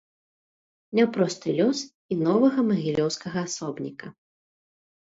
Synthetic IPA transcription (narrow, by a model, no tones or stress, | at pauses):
nʲapɾɔst̪ɨlʲɔs | inɔvɐɣɐmɐɣʲilʲɔwskɐɣɐasɔbnʲikɐ